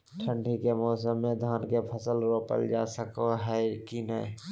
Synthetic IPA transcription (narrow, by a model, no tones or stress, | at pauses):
ʈʰə̃ɳɖʱikemɔːsəmːẽd̪ʱaːnkepʰəsəlɾoːpə̰ld͡ʒaːsəkoɦɛkinəɪ